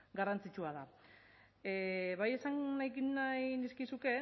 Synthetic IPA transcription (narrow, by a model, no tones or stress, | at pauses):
ɡarant͡sit͡ʃuað̞a | βaje̞saŋnajkinajniskisuke̞